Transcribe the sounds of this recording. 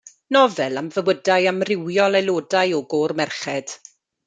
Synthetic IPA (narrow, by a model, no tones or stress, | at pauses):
nɔvɛlˠamvəwədajamrɪwjɔlˠɛlˠoːdajɔɡoːrmɛrχɛd̥